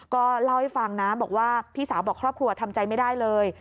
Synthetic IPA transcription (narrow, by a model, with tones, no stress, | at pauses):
kɔː˥˩la˥˩wha˥˩jfa˧ŋnaː˦˥mbɔː˨˩k̚waː˥˩pʰiː˥˩saː˩˦wbɔː˨˩kʰɾɔː˥˩p̚kʰɾu˧ɐ˧t̪ʰa˧mt͡ɕa˧jma˥˩jdaː˥˩jlɤː˧j